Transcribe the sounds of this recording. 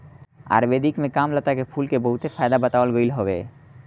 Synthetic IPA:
a̰ɾbed̪ikmekamlat̪akepʰulkeboɦut̪ʰefajd̪abət̪awalɡojlɦɔbḛ

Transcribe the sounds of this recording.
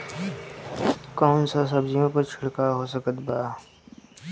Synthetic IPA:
kɔːnsas̬ɐbd͡ʒijõpəɾt͡ʃʰʊɽkaɦoːsəkət̪baː

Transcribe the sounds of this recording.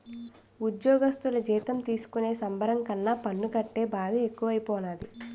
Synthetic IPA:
ud̪jɔːɡɐst̪ulɐd͡ʒiːt̪ɐmt̪iːsu̥kune̞ːsɐmbʱɐɾɐŋkɐnːaːpɐnːukɐʈːe̞ːbaːd̪ʱɐekːuʋɐjipoːnaːd̪i

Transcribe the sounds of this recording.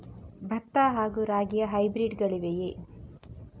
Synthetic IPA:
bʱɐt̪ːaːɦaːɡuɾaːɡijɐɦɐjbɾiɖɡɐɭiʋeje

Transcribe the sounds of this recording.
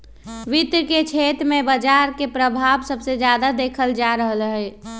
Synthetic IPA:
ʋit̪ɾəket͡ʃʰet̪ɾmebəd͡ʒaɾkepɾəbʱabsəbsed͡ʒjad̪ad̪ekʰəld͡ʒaɾəɦəlɦəj

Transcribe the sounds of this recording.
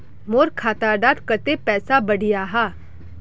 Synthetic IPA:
moːɾkʰaːt̪aɖaːt̪kət̪epɛːsabəɽijaɦaː

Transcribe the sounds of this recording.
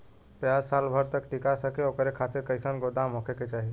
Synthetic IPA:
pjaːd͡ʒsaːlbʱəɾt̪əkʈɪkasəkeoːkəɾekʰaːt̪eɾkəɪsənɡod̪amokʰeket͡ʃaːɦi

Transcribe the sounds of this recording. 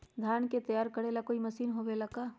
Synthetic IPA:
d̪ʱjanket̪əjaɾkəɽelakoiməsinɦobelaka

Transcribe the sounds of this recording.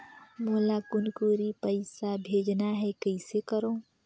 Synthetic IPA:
moːlakʊnkuːɾipəɪsabʱeːd͡ʒnaɦɛkəɪsekəɾõː

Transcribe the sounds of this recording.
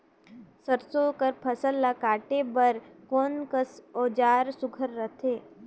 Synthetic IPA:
səɾsoːkəɾpʰəsəlːakaːʈebəɾkoːnkəsɔːd͡ʒaːɾsʊɡʱəɾːət̪ʰeː

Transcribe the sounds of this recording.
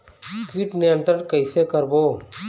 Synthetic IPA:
skiːʈneə̃nt̪ənkəɪsekəɾboː

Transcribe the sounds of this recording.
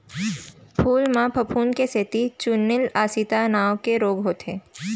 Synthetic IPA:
pʰuːlmãpʰɐpʰuːnkeset̪it͡ʃʊnːɪlaːsit̪anaːʋkeɾoːɡɦoːt̪ɦeː

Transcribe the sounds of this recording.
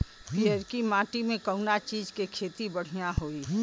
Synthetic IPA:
piəɾkimãːʈimẽkəʊnat͡ʃiːd͡ʒkekʰeːt̪ibəɽ̤ijaɦoːi

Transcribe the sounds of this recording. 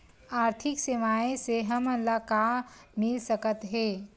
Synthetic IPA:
aːɾt̪ʰɪkseʋaːẽseɦɐmənlakamɪlsəkət̪ɦeː

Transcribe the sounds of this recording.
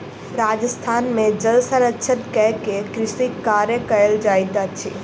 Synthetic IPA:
ɾaːd͡ʒəst̪ʰaːnmẽd͡ʒəlsəɾətːʃʰət̪kɛɦkekɾɪsikaːɾjəkɐjəld͡ʒaːɪd̪at͡ʃʰḭː

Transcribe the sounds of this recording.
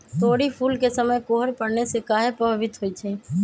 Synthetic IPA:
t̪oːɽipʰuːlkesəməjkoːɦəɾpəɽnesekaːɦepəɦʋɪt̪ɦoːit͡ʃʰeː

